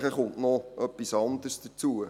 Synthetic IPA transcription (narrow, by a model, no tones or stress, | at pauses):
χəχʊnʔnɔʔœpːisɑnd̪əsd̥ət͡suə